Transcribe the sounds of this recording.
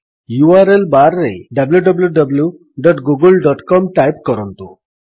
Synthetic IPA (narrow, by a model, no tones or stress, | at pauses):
juaɾelbaɾːeɖəbljuɖəbljuɖəblju | ɖɔʈɡuɡəlɖɔʈkɔmʈajpkɔɾɔnt̪u